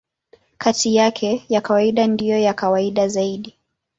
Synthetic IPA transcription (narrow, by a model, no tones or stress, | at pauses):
kʰatijakʰɛjakawaiɗandijɔjakawaiɗazaiɗi